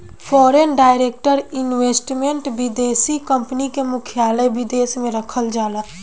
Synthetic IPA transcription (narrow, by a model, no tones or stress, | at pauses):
pʰɔːɾenɖaːɪɾeːk̚ʈəɾɪnweːsʈmẽɳʈʋɪd̪eːsikə̃mpnikemʊkʰjaːləbɪd̪eːsmẽɾəkʰəld͡ʒaːlə